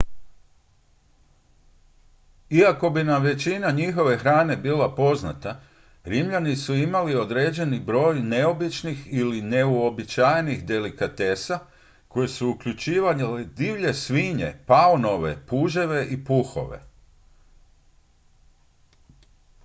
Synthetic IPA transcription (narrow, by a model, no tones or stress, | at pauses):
iako̞binaʋe̞t͡ɕinaɲixo̞ʋe̞xɾaːne̞biːlapo̞zna̰t̪a | ɾimʎanisuimalio̞d̪ɾe̞ːd͡ʑe̞nibɾo̞ːjne̞o̞bit͡ʃnixiline̞uo̞bit͡ʃajenixd̪e̞likat̪e̞sa | ko̞je̞suukʎut͡ʃiːʋaled̪iʋʎe̞sʋiɲe̞̰paono̞ʋe̞̰puːʒe̞ʋe̞ʔipuxo̞̰ʋe̞̰